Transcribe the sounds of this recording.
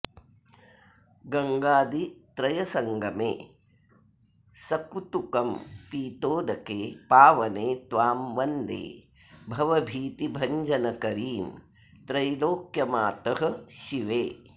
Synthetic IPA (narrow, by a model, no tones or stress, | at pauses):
ɡɐŋɡaːd̪it̪ɾɐjɐsɐŋɡʱɐmḛː | sɐkut̪ukɐmpiːt̪oːd̪ɐkeːpaːʋɐneːt̪ʋaːmʋɐnd̪ḛː | bʱɐʋɐbʱiːt̪ibʱɐɲd͡ʒʱɐnɐkɐɾiːm | t̪ɾɐjloːkjɐmaːt̪ɐɦɐ̆ʃiʋeː